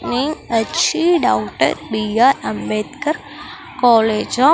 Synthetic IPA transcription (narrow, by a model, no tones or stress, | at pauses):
niŋɡət͡ʃʰiɖawʈə̰ɾbijaɾɐmbet̪kəɾ | kɔːled͡ʒɔ